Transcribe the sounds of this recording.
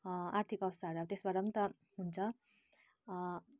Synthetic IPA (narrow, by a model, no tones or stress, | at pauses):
art̪ʰikʌwʌst̪ʰaɦɾʌt̪esbaɾʌnit̪ʌ | ɦunt͡sʰʌ